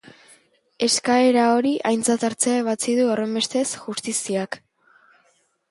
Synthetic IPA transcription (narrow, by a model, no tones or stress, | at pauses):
e̞skae̞ɾao̞ɾiʔajnt͡sat̪aɾt͡seaeβ̞at͡siðuore̞mbe̞st̪e̞sʝust̪isiak